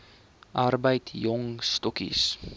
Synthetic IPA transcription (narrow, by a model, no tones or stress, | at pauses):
ʔɐrbəjtjɔŋstɔkḭs